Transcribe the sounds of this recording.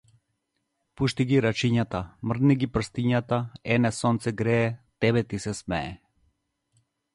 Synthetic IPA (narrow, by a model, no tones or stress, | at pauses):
puʃt̪iɡiɾat͡ʃiɲat̪amr̩d̪niɡipr̩st̪iɲat̪aɛnɛsɔnt̪sɛɡɾɛːt̪ɛβɛt̪isɛsmɛ̰ɛ̰